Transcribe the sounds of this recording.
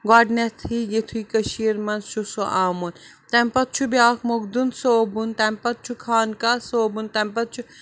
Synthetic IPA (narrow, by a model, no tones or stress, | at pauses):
ɡaːɖnet̪ʰijet̪ʰuikɐʃiːɾmɐnzʃʰusoʔaːmun | t̪ɛmpɐt̪̚t͡ʃʰubjaːkʰmoɡd̪unsoːbunt̪ɐmpɐt̪̚t͡ʃʰukʰaːnkaːsoːbunt̪ɐmpɐt̪̚t͡ʃʰu